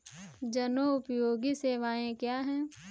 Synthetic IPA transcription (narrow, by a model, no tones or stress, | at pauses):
d͡ʒɐnoʊpjoːɡiseːʋaːẽkjaːɦɛ̃ː